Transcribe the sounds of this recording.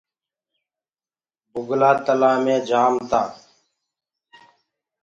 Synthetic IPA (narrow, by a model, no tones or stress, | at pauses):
bʊɡlaːt̪əlaːmẽːd͡ʒaːmt̪ãː